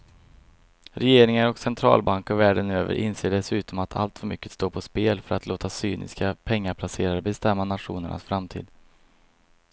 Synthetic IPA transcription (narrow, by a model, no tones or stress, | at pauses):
ɾɛjeːɾɪŋaɾɔksɛnt̪ʰɾɑ̰ːlbaŋkɔvæːɖənøːvə̰ɾʔɪnseːɖɛsʉ̟ːt̪ɔmat̪ʰa̰lt̪fœɾmʏkːə̥t̪st̪oːpʰɔspeːlfœɾat̪loːt̪asyːnʔɪ̰skapʰɛŋːaɾpʰlaseːɾaɾəbɛst̪ɛmːanat̪ɧuːnəɳʔa̰sfɾamt̪ʰḭːd̪